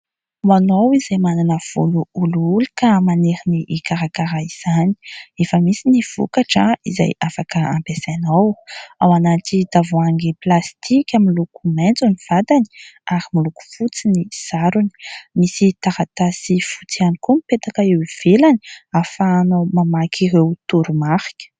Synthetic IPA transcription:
uanowizajmananəv̥ṵluuluulukamaneɾiniʔikaɾakaɾaiz̥ani̥efəmisiniv̥ṵkaʈ͡ʂəiza̰jafakəa̰mpesanawawanaʈ͡ʂid̪̥avoaŋɡeplast̪ikʲamilukument͡suniv̥ad̪aniaɾimiluku̥fut͡siniz̥aɾuni̥misit̪aɾat̪asifu̥t͡sianikumipet̪akaewiv̥elani̥afanomamakʰiɾewt̪uɾumaχi̥kʲə̥

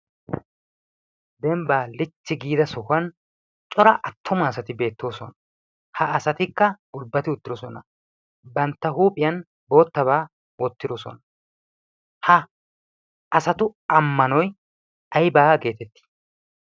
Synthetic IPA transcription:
d̪ɛmbaːlɪt͡ʃːɪɡiːd̪ɐsɔkɐn | t͡ʃʼɔɾɐʔɐt̪ʰːʊmɐːsɐt̪ɪbe̞ːt̪ːo̞ːsɔnɐ̥ | hɐːsɐt̪ɪkːɐɡʊlbːɐt̪ɪʊt̪ːɪɾɔsɔnɐ | bɐnt̪ːɐɦuːpʼɪjɐn | bo̞ːt̪ːɐbaː | wɔt̪ːɪd̪ɔsɔ̰nɐ | hɐ | sɐt̪ʊɐmːɐnɔj | ɐjbaːɡe̞ːt̪ɛt̪ːi̥

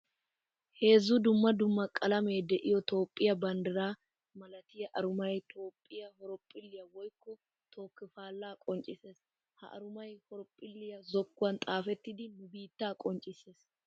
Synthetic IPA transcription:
he̞ːzːʊd̪ʊmːɐd̪ʊmːɐkʼɐlɐme̞ːd̪ɛʔɪjɔt̪o̞ːpʼːɪjɐbɐnd̪ɪɾaː | mɐlɐt̪ɪjɐʔɐɾʊmɐjt̪o̞ːpʼːɪjɐhɔɾɔpʼːɪlːɪjɐwɔjkːɔ | t̪ʰo̞ːkːɪfaːlːaːkʼɔnt͡ʃʼɪse̞ːs | hɐ̰ʔɐ̰ɾʊmɐjhɔɾɔpʼːɪlːɪjɐzɔkːʊwɐnt̪ʼaːfɛt̪ːɪd̪ɪnʊbiːt̪ːaːkʼɔnt͡ʃʼɪse̞ːs

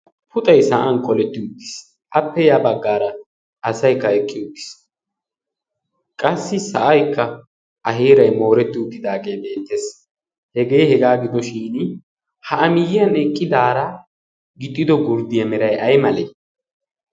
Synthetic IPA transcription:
pʰʊt̪ʼɐjsɐʔɐnkʼɔlɛt̪ːɪʊt̪ːɪ̥s | ʔɐpːɛjaːbɐɡːaːɾɐː | sɐjkːɐɛkʼːɪʊt̪ʼːɪ̥s | kʼɐsːɪsɐʔɐjkːɐ | ʔɐɦeːɾɐjmo̞ːɾɛt̪ːɪʊt̪ːɪd̪aːɡe̞ːbe̞ːt̪ːes | hɛɡe̞ːhɛɡaːɡɪd̪ɔʃiːn | hɐʔɐmɪjɪjɐnɛkʼːɪd̪aːɾɐ | ɡɪt̪ʼːɪd̪ɔɡʊɾd̪ɪjɐmɛɾɐjʔɐjmɐleː

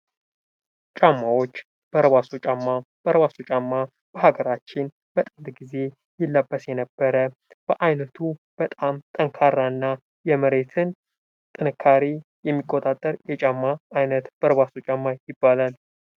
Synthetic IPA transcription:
t͡ʃʼamːawo̞t͡ʃː | b̥əɾəβasut͡ʃʼamːa | b̥əɾəβasut͡ʃʼamːa | b̥əɦaɡəɾat͡ʃːɪn | b̥ət̪ʼɨnd̪ɡize̞ | jɪlːəbːəsjɛnəbːəɾə | b̥əʔajnət̪ʰub̥ət̪ʼamt̪ʼəŋkʰaɾnaɨnːa | jɛməɾe̞t̪ʰɨn | t̪ʼɨnɨkʰːaɾijɛmːikʼːot̪ʼat̪ʼːəɾjɛt͡ʃʼamːaːjnət̪b̥əɾəβasut͡ʃʼamːajɪbːalal

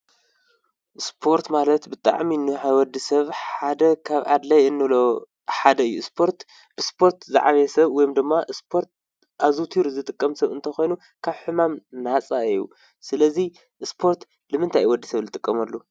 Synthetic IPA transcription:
ʔɨspʰo̞ɾt̪malɐt̪bɨt̪ʼa̰ʕminɨħawɔd̪isɐβħad̪ɐkʰaβʔa̰d̪lɐjɨnːɨlo | ħad̪ɐɨjːuspʰoɾt̪ | b̥ɨspʰo̞ɾt̪za̰ʕaβɛsɐβwɔjmd̪ɨmːaʔɨspʰo̞ɾt̪̚ | ʔazut̪ʰiɾuzɨt̪ʼɨkʼːɐmsɐβɨ̰nt̪ʰɐxo̞jnu | kʰaβħɨmamnat͡sʼaɨjːṵ | sɨlɐzi | ʔɨspʰo̞ɾt̪ | lɨmɨnt̪ʰajwɔd̪ːisɐβlɨt̪ʼɨkʼːɐmɐlːu

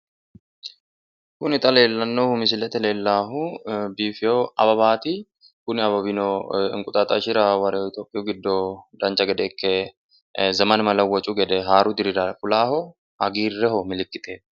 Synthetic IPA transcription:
kʊnɪt̪ʼɐle̞ːlːɐnːohʊmɪs̬ɪlɛt̪ɛle̞ːlːaːɦʊbiːfɪjoɐbɐbaːt̪ɪ | kʊnɪɐbɐbɪnoɪ̰ŋkʼʊt̪ʼaːt̪ʼɐʃɪɾawɐɾɛoɪt̪joːpʼːɪjuɡɪd̪ːod̪ɐnt͡ʃːɐɡɛd̪ɛːkːɛ | zɐmɐnmɐlɐwɔt͡ʃʼːʊɡɛd̪ɛɦaːɾʊd̪ɪɾɪɾɐkʼʊlaːhɔ | hɐɡiːrːɛhɔmɪlɪkʼːɪt̪ʰʼeː

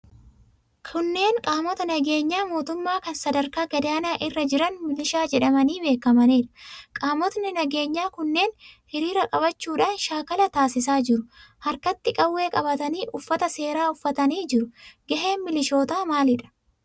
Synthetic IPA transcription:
kʰʊnːe̞ːŋkʼaːmɔt̪ɐnɐɡe̞ːɲːaːmo̞ːt̪ʊmːaːkɐnsɐd̪ɐɾkaːɡɐd̪aːnaːʔɪrːɐd͡ʒɪɾɐnmɪlɪʃaːd͡ʒɛᶑɐmɐniːbe̞ːkːɐmɐneːᶑɐ̥kʼaːmɔt̪nɪnɐɡe̞ːɲːaːkʊnːe̞ːnhɪɾiːɾɐkʼɐbɐt͡ʃːuːᶑaːnʃaːkɐlɐt̪aːsɪsaːd͡ʒɪɾʊhɐɾkɐt̪ːɪkʼɐwːe̞ːkʼɐbɐt̪ɐniːʔʊfːɐt̪ɐse̞ːɾaːʊfːɐt̪ɐniːd͡ʒɪɾʊɡɐɦe̞ːnmɪlɪʃo̞ːt̪aːmaːlɪᶑɐ̥

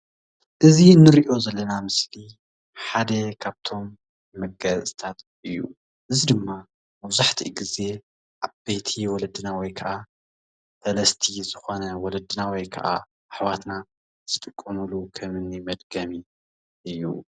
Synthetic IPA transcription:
ʔɨzinːɨɾiʔo̞zɐlːɐnamɨsli | ħad̪ɐkʰaβt̪ʰo̞mː | ɐɡɐt͡sʼɨt̪ʰat̪ | ʔɨjːṵ | ʔɨzid̪ɨmːa | mɐβzaħt̪ʰḭɡize̞ | ʔaβb̥ejt̪ʰiwɔlɐd̪ɨnawɔjkʰɐʔa | sɐlɐst̪ʰizɨxo̞nɐwɔlɐd̪ɨnawɔjkʰɐ̰ʔa̰ | ʔːħwat̪na | z̥ɨt̪ʼɨkʼːɐmulukʰɐmɨnimɐd̪ɡɐmi | ʔɨjːṵ

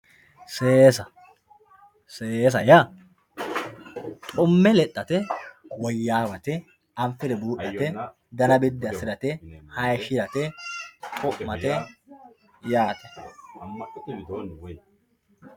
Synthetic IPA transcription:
seːsɐ | seːs̬ɐja | t̪ʼʊmːɛlɛtʼːɐt̪ɛwɔjːaːwɐt̪ɛ | ɐmfɪɾɛbuːʔɐɛ | d̪ɐnɐbɪd̪ːɐsɪɾɐt̪ɛhɐjʃɪɾɐt̪ɛ | kʰʼʊʔmɐt̪ɛ | jaːt̪ɛ̥

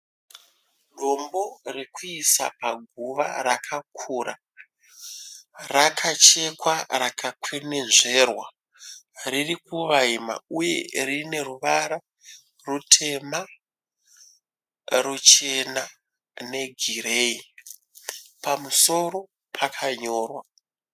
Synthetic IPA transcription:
ɗʱo̞mbo̞rekuisa̰paɡʱuʋa̰ɾakʰakʰuːra | rakʰat͡ʃe̞kwarakʰakwenenʐe̞rwa | ririkuʋaima̰uje̞̰rine̞ruʋaɾa | rutʰe̞ma | rut͡ʃe̞na | ne̞ɡʱirei | pamuso̞ɾo̞ | pʰakʰaɲo̞ːrwa

